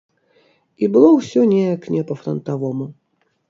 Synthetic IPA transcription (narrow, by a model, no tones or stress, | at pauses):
ibɨlˠɔwsʲɔnʲɛjɐknʲɛpɐfɾɐnt̪avɔmu